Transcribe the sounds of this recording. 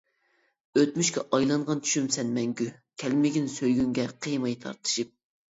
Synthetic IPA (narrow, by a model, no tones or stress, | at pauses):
øt̪myʃkʲɛʔɑjlˠɑɴʁɑnt͡ʃʰy̥ʃymsɛnmɛŋɡʲykʲʰɛlmɪɡʲinsøjɡʲyŋɡʲɛqʰɨjmɑjt̪ʰɑ̰ɾt̪ʰɨ̥ʃɨp̚